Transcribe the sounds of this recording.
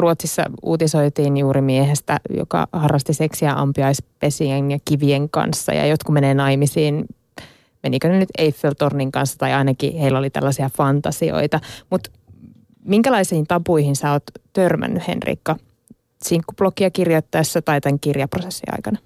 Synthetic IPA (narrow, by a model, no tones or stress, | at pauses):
ruot̪sisːɑ̰ṵːt̪isoit̪iːnjuːɾimiehest̪æ̰jo̰kɑ̰hɑrːɑst̪iseksiæʔɑ̰mpiɑispesienjɑkiʋieŋkɑ̰nsːɑ̰jɑ̰jot̪kumeneːnɑimisiːn | menikønenyt̪eifːelt̪ornːiŋkɑnsːɑ̥t̪ɑiɑinɑkḭheilːolit̪æ̰lːæsiɑfɑnt̪ɑsio̰it̪ɑmut̪ | miŋkælɑisiːnt̪ɑpuihinsæoːt̪t̪ørmæ̰nːyhḛnrḭːkːɑ | siŋkːub̥lokiɑkirjot̪ːɑisːæt̪ɑit̪æŋkirjɑprosesːḭɑ̰ikɑnɑ